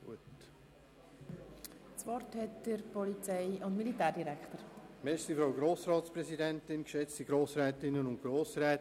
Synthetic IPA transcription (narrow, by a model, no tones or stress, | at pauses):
ɡṵət | sʋɔrthɛtd̥əɾpɔlit͡sɛɪʊntmilitæːɾdiɾɛkχtəɾmɛʃsifɾaʊɡɾoːsɾɑːtspɾɛsidɛntɪnkʃɛt͡stiɡɾoːsɾɛːtɪnənʊntɡ̥ɾoːsɾɛːt